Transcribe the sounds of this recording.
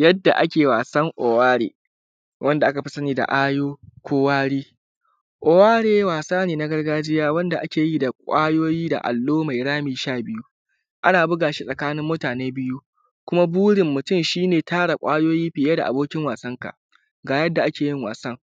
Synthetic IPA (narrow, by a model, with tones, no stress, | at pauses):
jɐ˦dːa˨ʔa˦kʲeː˨waː˨sɐ˦ŋʔo˨waː˦ɽḛː˦ | wʔɐ˦nda˨ʔa˦ka˨ɸi˦sɐ˦niː˦da̰˨ʔaː˦joː˦kʷoː˦waː˦ɽiː˦ | ʔʷo˨waː˦ɽeː˦waː˨saː˦neː˨na˦ɡɐ˦rɡaː˦d͡ʒɪ˦jaː˦wɐ˦nda˨ʔa˦kʲeː˨ji˦da˨kʷʼaː˦joː˦jiː˦da̰˨ʔa̰˨lːoː˦ma˨jɽaː˦miː˨ʃaː˦˨bɪ˦ju˦ | ʔa˦naː˨bʊ˦ɡaː˨ʃi˦sʼɐ˨kaː˦nɪ˦mːʊ˦taː˨neː˦bɪ˦ju˦ | kʷʊ˦ma˦buː˦ɽɪ˨mːʊ˨tʊ˦˨mʃiː˦neː˨taː˦ɽa˨kʷʼaː˦joː˦jiː˦ɸɪ˨jaː˦da˨ʔa˨boː˦kʲɪ˦ŋwaː˨sɐ˦ŋka̰˨ʔ | ɡaː˨jɐ˦dːa˨ʔa˦kʲeː˨jɪ˦ŋwa̰ː˨sɐ˦ŋ